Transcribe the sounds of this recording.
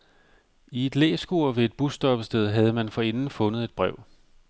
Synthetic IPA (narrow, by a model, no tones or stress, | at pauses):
ie̝d̥lḛːsɡ̥uɐ̰ʋe̝ːd̥̚b̥usd̥ɒ̽b̥əsd̥eð̞ˠɦæð̞ˠəmænfɒ̽e̝nn̩fɔ̽nð̩ˠe̝d̥̚b̥ʁɛʊ̰